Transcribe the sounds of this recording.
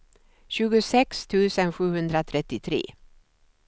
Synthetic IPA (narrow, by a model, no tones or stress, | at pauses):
ɕʉ̟ːɡʊsɛkst̪ʰʉ̟ːsənɧʉ̟ːhɵnd̪ɾat̪ʰɾɛt̪ːɪt̪ʰɾḛː